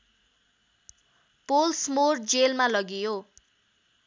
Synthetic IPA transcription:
polsmord͡zelmalʌɡijo

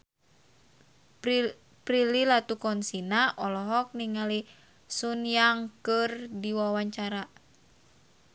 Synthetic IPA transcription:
pɾililat̪ukɔnsinaʔɔlɔɦɔk̚niŋali | sunjaŋkɨrdiwawaɲt͡ʃaɾa

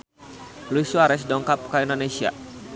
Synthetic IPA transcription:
luisuaɾɛs̬dɔŋkap̚kaindonesia̰

